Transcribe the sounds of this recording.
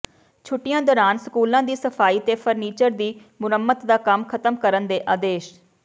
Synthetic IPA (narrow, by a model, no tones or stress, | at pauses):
t͡ʃʰʊʈːɪjãːd̪ɔːɾaːnsəkuːlãːd̪iːsəpʰaːiːt̪eːpʰəɾniːt͡ʃəɾd̪iː | mʊnəmːət̪d̪aːkəmkʰət̪əmkəɾənd̪eːʔaːd̪eːʃ